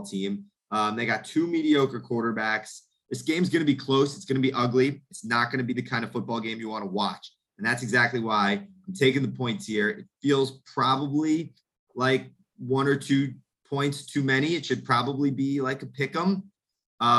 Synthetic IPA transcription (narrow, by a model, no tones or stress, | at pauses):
tʰĩm | ʌ̃mðeɪɡɑtʰʉmiɾioʊkə˞kʰw̥ɔɹɾə˞bæks | ðɪsɡ̥ẽɪ̃mzɡʌnɨbikʰl̥oʊsɨtsɡ̥ʌnɨbiʔʌɡliɨtsnət̚ɡ̥ʌnɨbiðɨkʰãɪ̃ndɨv̥fʊt̚b̥ɔlˠɡẽɪ̃mjɨwɑ̃nəwɑt͡ʃ | ɨ̃n̩ðætsɨɡzæk̚tˡliwaɪãɪ̃mtʰeɪkɪ̃ŋðəpʰɔ̃ɪ̃ntshiɹɨtfilˠz̥pʰɹ̥ɑbəbli | laɪk̚ | wʌ̃nə˞tʰʉ | pʰɔ̃ɪ̃ntstʰʉmɛɾ̃iɨtʃɨd̚pʰɹ̥ɑbəblibilaɪkəpʰɪkə̃m | ʌ